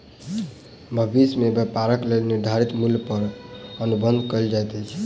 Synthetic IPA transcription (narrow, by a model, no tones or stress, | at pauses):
bʱəbismebjəpaɾəklelniɾd̪ʱaɾit̪muljpəɾənubə̃nd̪ʱkəld͡ʒajt̪ɛt͡ʃʰ